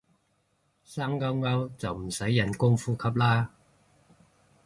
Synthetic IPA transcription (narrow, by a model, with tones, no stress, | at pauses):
saː˥ŋːɐ˥wŋɐ˥wt͡sɐ˨wm̩˨˩sɐ˨˥jːɐ˨˩nkʊ˥ŋfuː˥kʰɐ˨˥p̬̚laː˥